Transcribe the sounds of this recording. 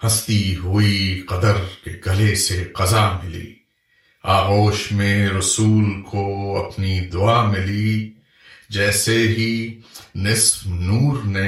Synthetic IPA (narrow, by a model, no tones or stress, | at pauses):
hɐst̪iɦuiqɐd̪əɾkḛɡɐleseqɐzamɪlḭː | aːɣoːʃmẽɾɐsuːlkʰoɐpnid̪ʊamɪli | d͡ʒɛːseɦinɪsfnuːɾne